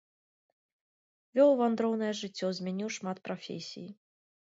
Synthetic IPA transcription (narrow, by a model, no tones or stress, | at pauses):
vʲɔwvand̪ɾɔwnɐjɛʐɨt͡sʲːɔzʲmʲɛnʲiwʂmat̪pɾafʲḛsʲḭji